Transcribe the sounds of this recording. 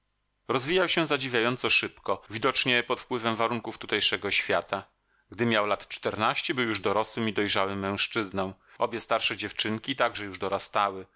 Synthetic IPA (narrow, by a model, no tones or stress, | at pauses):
ɾɔzvʲijawɕɛ̃zad͡ʑivʲjajɔnt̪sɔʂɘpkɔvʲid̪ɔt͡ʂɲɛpɔt̪fpwɘvɛmvaɾuŋkuft̪ut̪ɛjʂɛɡɔɕfʲjat̪a | ɡd̪ɘmʲjawlat̪t͡ʂt̪ɛɾnaɕt͡ɕɛbɘwjuʐd̪ɔɾɔswɘmid̪ɔjʐawɘmːɛ̃w̃ʂt͡ʂɘznɔw̃ | ʔɔbʲjɛst̪aɾʂɛd͡ʑɛft͡ʂɘŋkʲit̪aɡʐɛjuʐd̪ɔɾast̪awɘ